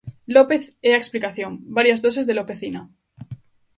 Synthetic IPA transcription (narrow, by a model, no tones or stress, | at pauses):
lopeθeaeksplikaθjõŋbaɾjazðos̬ezðelope̞θina